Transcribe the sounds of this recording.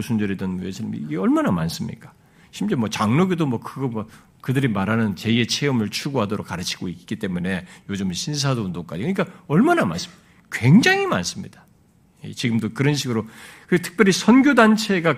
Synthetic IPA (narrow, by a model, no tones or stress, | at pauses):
sʰund͡ʑʌɾidʌnwesʰɯmḭːɡeʌɭmanama̰ns͈ɯmɲḭk͈ḁ | ɕʰimt͡ɕe̞mwʌt͡ɕaŋnoɡidomwʌkɯɡʌmwʌ | kɯdɯɾimaɾɦanɯnt͡ɕe̞ie̞t͡ɕʰe̞ʌmɯɭt͡ɕʰuɡoɦadoɾok͈ːaɾɯt͡ɕʰi̥ɡ̥oik͈̚i̥k͈it͈e̞mune̞jod͡ʑɯmɕʰins̬ʰadoundoŋk͈a̰d͡ʑikɯɲik͈aʌɭmanama̰ns͈ɯ̥m | kwe̞ŋd͡ʑaŋima̰ns͈ɯmɲid̥ḁ | jḛt͡ɕiɡɯmdokɯɾʌnɕ̬ʰiɡɯɾokɯetʰɯ̥k̚p͈jʌɾisʰʌnɡjodant͡ɕʰe̞ɡa